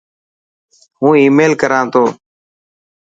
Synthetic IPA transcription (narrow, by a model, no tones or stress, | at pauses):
ɦũːiːmeːlkəɾãːt̪ʰoː